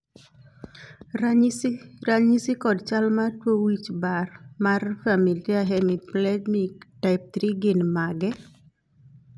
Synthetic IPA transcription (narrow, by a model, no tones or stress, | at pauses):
ɾaɲisikɔdt͡ʃalmatwowit͡ʃbarmarfamiliaɦɛmiplɛdmitaɪp̚t̪ɾiɡinmaɡɛ